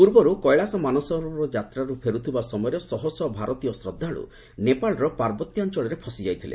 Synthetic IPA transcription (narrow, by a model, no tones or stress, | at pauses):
puɾbɔɾukɔjɭasɔmanɔsɔɾɔd͡ʒat̪ɾaɾupʰeɾut̪ʰibasɔmɔjɔɾɔsɔɦɔsɔbʱaɾɔt̪ijɔsɾɔd̪ʱːaɭṵ | nepaɭɔɾɔpaɾbɔt̪jɔnt͡ʃɔɭɔɾepʰɔsid͡ʒajt̪ʰilḛ